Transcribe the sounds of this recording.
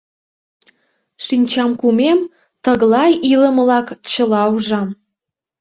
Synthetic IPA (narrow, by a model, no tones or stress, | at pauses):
ʃinʲt͡ɕɑmkumem | t̪əɣlɑjiləmlɑkt͡ɕə̆lɑuʒɑm